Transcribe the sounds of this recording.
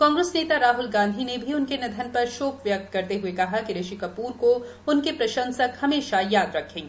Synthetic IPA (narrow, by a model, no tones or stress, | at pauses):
kɔ̃ːŋɡɾəsneːt̪aɾaːɦʊlɡãːnd̪ʱinebʱiʊnkenɐd̪ʱənpɐɾʃoːpʋjɐk̚t̪̚kɐɾt̪eɦuekɐɦakiɾeʃikɐpuːɾko | ʊnkepɾɐʃə̃nsəkhɐmeːʃajaːd̪ɾɐkʰːẽː